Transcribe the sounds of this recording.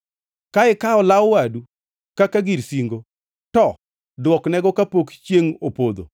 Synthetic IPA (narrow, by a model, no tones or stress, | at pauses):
kaɪkaɔlawwadu | kakaɡiɾsiŋɡo | tɔ | dwɔknɛɡɔkapokt͡ʃjeŋopod̪o̰